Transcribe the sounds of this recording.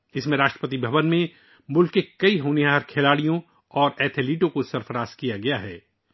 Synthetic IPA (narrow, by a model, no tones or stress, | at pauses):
ɪsmẽɾaːʃʈɾəpət̪ibʱɐʋənmẽ | mʊlkːekɐiɦoːneaɦɾkʰelaːɽijõ | ɔːɾɛːt̪ʰeliːʈõkosɐɾfəɾaːskijaɡɐjaɦɛː